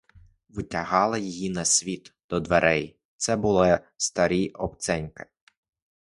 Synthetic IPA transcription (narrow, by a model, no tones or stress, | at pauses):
ʋʊtʲɐɦɑlˠɐjijinɐsʲʋʲit̪d̪̥ɔd̪ʋeɾʔɛj | t̪sɛbʊlˠɪ | st̪ɐɾʲiɔp̚t̪sɛnʲkɪ̥